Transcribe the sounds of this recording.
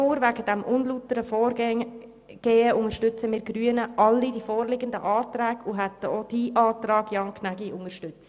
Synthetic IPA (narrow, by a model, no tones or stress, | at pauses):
oːɾvæɡəd̥ɛmʔʊnlutəɾəfɔːɾɡɛ | ɡ̥eːəʊŋəʃtʏt͡səmɪːɾɡɾyənəʔɑlːidifɔːrlɪɡəndə̰ʔɑːtɾæːɡuɦɛt̪əod̥iːʔɑːtɾɑːɡ̥jɑŋkʰnæɡiʔʊŋəɾʃtʏt͡s